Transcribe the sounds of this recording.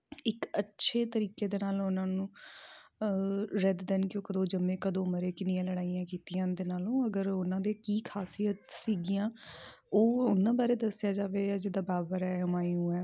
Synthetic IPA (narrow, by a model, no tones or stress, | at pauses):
ɪkətːʃʰeːt̪əɾiːkeːd̪eːnaːlʊnãːnũː | ɾɛd̪d̪ɛːnkjõːkəd̪õːd͡ʒəmːẽːkəd̪õːməɾeːkɪnɪjãːləɽaːijãːkiːt̪ijãːd̪eːnaːlõːəɡəɾʊnãːd̪eːkiːkʰaːsijət̪siːɡɪjãː | oːʊnãːbaːɾeːd̪əsɪjaːd͡ʒaːʋeːd͡ʒɪd̪aːbaːbəɾɛːəmaːijũːɛː